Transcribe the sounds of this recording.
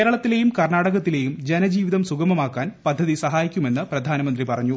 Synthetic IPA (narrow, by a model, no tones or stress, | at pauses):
eːɾɐɭɐt̪ːile̞jumkɐrɳaːɽɐɣɐt̪ːile̞ːjumd͡ʑe̞nɐd͡ʑiːʋiðɐmsuɡɐmɐmaːkːaːnpɐd̪ʱːɐðisɐɦaːjikʲːume̞nːɨprɐd̪ʱaːnɐmɐnd̪ripɐrɐɲːu